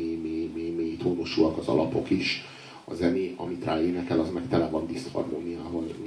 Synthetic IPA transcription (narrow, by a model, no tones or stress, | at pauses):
ememeːmeːt̪oːnoʃulɒkɒzɒ̰lʔɒ̰po̞kiʃ | ɒ̰zɛneːʔɒmit̪rʔaːeːnɛkɛlɒzmɛkt̪ɛlɛvɒnd̪ist̪hɒ̰rmoːnijaːɦoz